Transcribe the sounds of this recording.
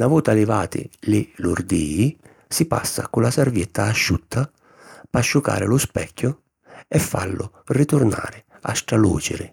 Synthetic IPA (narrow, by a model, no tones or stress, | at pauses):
navɔːt̪alɪvaːt̪ɪ̰lɪluɾd̪iːi | sipa̰sːa̰kʊlasɛɾvjɛt̪ːaːʃːut̪ʰːa | paʃːuka̰ːɾɪlʊspɛkːʊ | ɛfːa̰lːʊrit̪ʊɾna̰ːɾɪ | a̰sʈ̪ɾalṵːt͡ʃɪ̰ɾɪ̰